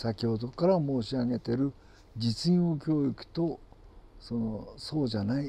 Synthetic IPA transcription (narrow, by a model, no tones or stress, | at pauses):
sakʲiho̞d̪o̞kaɾamo̞ːɕiaɡe̞t̪e̞ɾɯ̟ | d͡ʑit͡sɨĩɰ̃o̞kʲo̞ːikɯ̟̥t̪o̞ | so̞no̞so̞ːd͡ʑanai